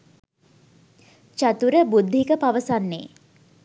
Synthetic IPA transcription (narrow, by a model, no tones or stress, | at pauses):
t͡ʃat̪uɾəbud̪ʱːikəpaʋəsanːḛː